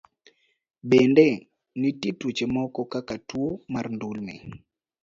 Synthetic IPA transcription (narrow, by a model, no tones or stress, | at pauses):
bɛndɛ | nititut͡ʃemɔkɔkakatwomarndulnɪ̰